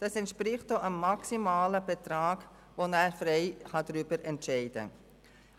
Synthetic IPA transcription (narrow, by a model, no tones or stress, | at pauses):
d̥ɑsɛntʃpɾɪχt̚d̥oʔənmɑksimaːləb̥ɛt̪ɾɑːɡ̥ | ʋonæːɾfɾɛɪhɑd̥ɾybəɾɛntʃɛɪd̥ə̰